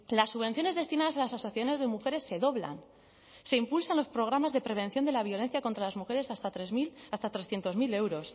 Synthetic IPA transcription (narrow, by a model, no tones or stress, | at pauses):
lasːuβe̞nθjo̞ne̞zðe̞st̪inaðasalasasoθjaθone̞zðe̞muxe̞ɾe̞sːe̞ðo̞βla̰n | se̞impulsanlo̞spɾo̞ɣ̞ɾamazðe̞pɾe̞β̞e̞nθjo̞nd̪e̞laβ̞jo̞le̞n̟θjakont̪ɾalazmuxe̞ɾe̞sast̪at̪ɾezmilast̪at̪ɾesθje̞nt̪o̞zmile̞wɾo̞s